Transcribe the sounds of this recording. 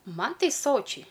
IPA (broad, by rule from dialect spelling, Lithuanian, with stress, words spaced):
ˈmɐn ˈtɐɪ ˈsoːt͡ʃʲɛɪ